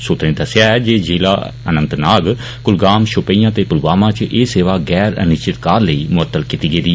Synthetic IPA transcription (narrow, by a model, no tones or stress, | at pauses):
soːt̪nẽd̪əsɪjaːɛːd͡ʒeːd͡ʒeːla̰ːənə̃nt̪naːɡ | kʊlɡaːmʃʊpəiːãːt̪eːkʊlɡaːmãːt͡ʃʔeːseːʋaːɡɛːɾə̰nɪʃt͡ʃɪt̪kaːɾləiːmʊət̪ːəlkit̪iːɡeːd̪iː